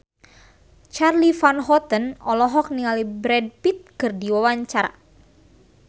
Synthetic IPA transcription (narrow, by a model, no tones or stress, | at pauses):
t͡ʃarlifanɦɔt̪ənɔlɔɦɔk̚niŋalibɾɛd̚pit̪̚kɨrdiwawaɲt͡ʃaɾa̰